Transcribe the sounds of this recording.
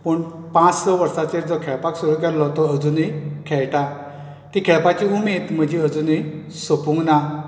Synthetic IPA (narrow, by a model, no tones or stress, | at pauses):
pəɳ | pãt͡ssɔʋəɾsat͡ɕeɾd͡zɔkʰɛɭpaksuɾukɛɾlɔt̪ɔəd͡zunikʰɛɭʈa | t̪ikʰɛɭpat͡ɕiumit̪m̤əd͡ʑʱiəd͡zuni | sopũŋɡna